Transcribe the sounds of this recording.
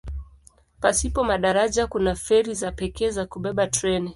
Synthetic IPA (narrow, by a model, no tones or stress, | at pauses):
pasipɔmaɗaɾaʄakunafɛɾizapɛkɛːzakuɓɛɓatɾɛni